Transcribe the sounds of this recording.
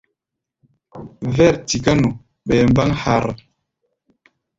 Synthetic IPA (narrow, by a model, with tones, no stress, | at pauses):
vɛ˦˨ɾti˨ka˦nu˨ | ɓɛ˨m˦ba˦ŋha˦˨ɾ